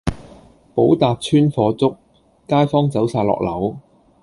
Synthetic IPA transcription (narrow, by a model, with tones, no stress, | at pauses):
po˨˥wt̪aː˨p̚t͡sʰyː˥nfɔː˧t͡sʊ˥k̚ː | aː˥jfɔː˥ŋt͡sɐ˨˥wsaː˧˩lɔ̰ː˨k̚lɐ˨˥w